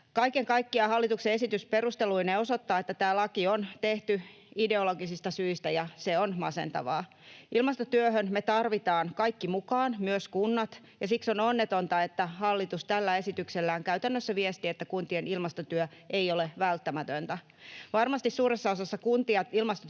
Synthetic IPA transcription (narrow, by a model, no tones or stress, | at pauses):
kɑikeŋkɑikːiɑhɑlːit̪ukseesit̪ysperust̪eluineosot̪ːɑːet̪ːæt̪æːlɑkiont̪eht̪y | ideoloɡisist̪ɑsyist̪æjɑseonmɑ̰sḛnt̪ɑ̰ʋɑ̰ː | ilmɑst̪ot̪yøhønmet̪ɑrʋit̪ɑːnkɑikːimukɑːnmyøskunːɑt̪ | jɑsiksononːet̪ont̪ɑet̪ːæhɑlːit̪ust̪ælːæe̞sit̪ykselːæːŋkæyt̪ænːøsːæʋiest̪iet̪ːækunt̪ienilmɑst̪ot̪yø | ʔeioleʋælt̪ːæmæt̪ønt̪æ | ʋɑrmɑst̪issuːresːɑosɑsːɑkunt̪iɑilmɑst̪o